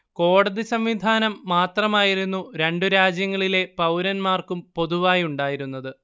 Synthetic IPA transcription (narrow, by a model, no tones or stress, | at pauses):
ko̞ːɽɐðisɐmʋid̪ʱaːnɐmːaːt̪rɐmaːjiɾunːuɾe̞ɳɖuɾaːd͡ʑjɐŋːɐɭile̞pɐwɾɐnmaːrkumpo̞ðuʋaːjuɳɖaːjiɾunːɐðɨ